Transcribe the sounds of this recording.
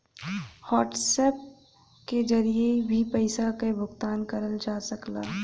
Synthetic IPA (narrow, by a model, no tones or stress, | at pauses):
hɔːʈsɛːp̚ | ked͡ʒɐɾiebʱipɛɪsakebʱʊɡt̪aːnkɐɾəld͡ʒaːsɐklaː